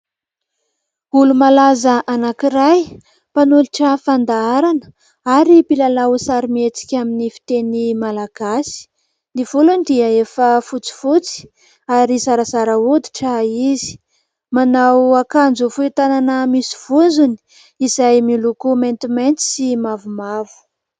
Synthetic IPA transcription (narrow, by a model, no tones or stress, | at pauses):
ulumalazəʔanakiɾaj | panuliʈ͡ʂəfand̪aaɾanə̥ | aɾipilalawsaɾimet͡si̥kʲaminifi̥t̪enimalaɡ̥asi̥ | niv̥ulunid̪iəefəfut͡si̥fut͡si̥ | aɾisaɾasaɾəud̪i̥ʈ͡ʂaizi̥ | manawakand͡zufuit̪ananəmisi̥v̥und͡zuni̥ | izajmilukument̪iment̪i̥simavumavu̥